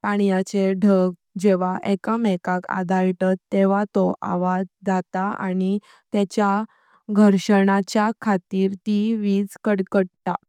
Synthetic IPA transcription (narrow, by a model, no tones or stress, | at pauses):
paɽ̃jat͡ɕeɖʱəɡ | d͡ʑeʋaʔekəmɛkaka̰d̪aɭʈat̪ːeʋ̤at̪ɔʔa̰ʋad͡zd͡zat̪aa̰ɽ̃i | t̪ɛt͡ɕja | ɡʱəɾɕəɳat͡ɕjakʰat̪iːɾt̪iʋiːd͡zkəɽkəɽt̪a